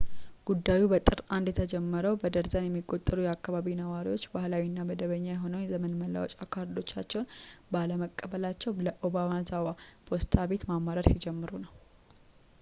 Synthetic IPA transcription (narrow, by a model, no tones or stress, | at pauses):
ɡ̥ud̪ːajubət̪ʼɨɾand̪jɛt̪ʰəd͡ʒɛmːəɾəwbəd̪əɾzənjɛmːiɡot̪ʼːəlujɛakːaβaβinəwaɾiwo̞t͡ʃːbahlawinːabəd̪əβəɲːajɛɦo̞nəwnjɛzəmənməlːa̰wɔt͡ʃʼakʰaɾd̪o̞t͡ʃːat͡ʃːɛwnbaləməkʼːəβəlat͡ʃːɛwləʔo̞bamazawapʰo̞st̪ʰaβe̞t̪mamaɾəɾsid͡ʒɛmːɨɾunəw